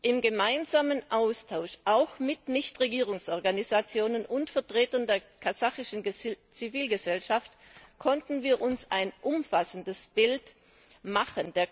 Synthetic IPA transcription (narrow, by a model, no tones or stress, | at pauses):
ʔɪmɡəmaɪnzaːmənʔaʊstʰaʊʃʔaʊxmɪtnɪçtʁeɡiːʁ̞ʊŋsʔɔɐɡanizat͡sjoːnənʊntfɛɐtʁ̥eːtɐndeːɐkʰazaxɪʃn̩t͡siviːlɡəzɛlʃaftkʰɔntn̩viːɐʔʊnsa̰ɪnʔʊmfasn̩dəsb̥ɪlt | maχənd̥eːɐ